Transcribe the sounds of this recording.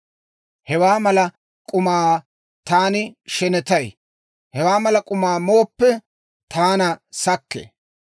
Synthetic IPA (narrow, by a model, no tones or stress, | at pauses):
hɛwaːmɐlɐ | kʼʊmaː | t̪aːnɪʃɛnɛt̪ɐj | hɛwaːmɐlɐkʼʊmaːmo̞ːpːɛ | t̪ʰaːnɐsɐkːḛ